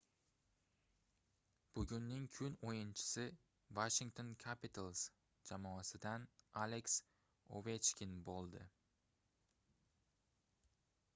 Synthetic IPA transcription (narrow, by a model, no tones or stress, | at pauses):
b̥ʊɡʲʊnːɪŋkʲʰʊnojɪnt͡ʃʰɪ̥sɪ | vaʃɪŋt̪ʰo̞nkʲʰapɪt̪ʰalˠs | d͡ʒamɒːasɪd̪analeks | o̰vet͡ʃkʲɪnbolˠd̪ɪ